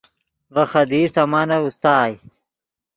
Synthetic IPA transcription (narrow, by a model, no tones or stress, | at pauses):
vɐxɐd̪isɐmanɐust̪aːj